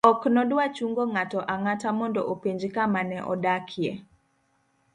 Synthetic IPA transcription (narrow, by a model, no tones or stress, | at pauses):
ɔknɔdwat͡ʃuŋɡoŋatɔʔaŋatamɔndɔ̰ʔopeɲd͡ʒkamanɛʔɔ̰dakʰje